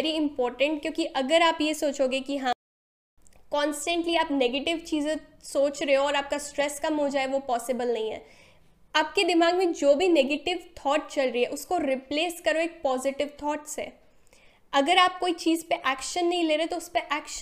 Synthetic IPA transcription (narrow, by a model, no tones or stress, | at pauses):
ɾiɪ̃mpɔːɾʈə̃ɳʈ̚kjõːkiʔɐɡəɾaːpjesoːt͡ʃɦoːɡekiɦã | kɔ̃ːnsʈə̃ɳʈliaːpneːɡeːʈɪʋt͡ʃiːzẽsoːt͡ʃɾeɦoɔːɾaːp̚kasʈɾɛskɐmɦod͡ʒaːeʋopɔːsɪbəlnɐɦĩɦɛ̰ː | aːp̚ked̪ɪmaːɡmẽd͡ʒoːbʱineːɡeːʈɪʋt̪ʰɔːʈ̚t͡ʃɐlɾəiɦɛʔʊskoɾɪpleːskɐɾoeːk̚pɔːzɪʈɪʋt̪ʰɔːʈsḛː | ɐɡəɾaːp̚koːit͡ʃiːzpeʔɛːkʃənːɐɦĩleːɾeɦet̪oʊspeʔɛːkʃ